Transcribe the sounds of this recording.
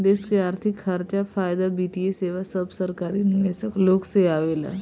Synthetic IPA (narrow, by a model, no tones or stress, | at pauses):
d̪eːskeaːɾt̪ʰɪkhɐɾt͡ʃafaːjd̪abiːʈieseːʋasɐbsɐɾkaːɾinɪʋeːsəkloːkseaːʋeːla̰